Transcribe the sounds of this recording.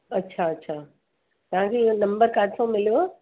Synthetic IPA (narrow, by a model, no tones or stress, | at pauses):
ɐtːɕʰaɐtːɕʰaː | t̪ɐʋ̤ãkʰeonɐ̃mbəɾkaːʈsõmɪlijo